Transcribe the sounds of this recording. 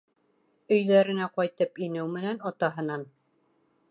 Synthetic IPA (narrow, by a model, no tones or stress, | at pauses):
ɵ̆jðæɾɘ̆næqɒjt̪ɤpinɘwmɘ̆nænɑt̪ɑɦɤ̆nɑn